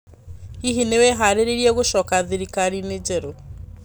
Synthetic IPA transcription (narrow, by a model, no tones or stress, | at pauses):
hiɦinewɛɦaɾeɾeɾiɛɣoʃɔːkaðeɾikaɾined͡ʒɛɾo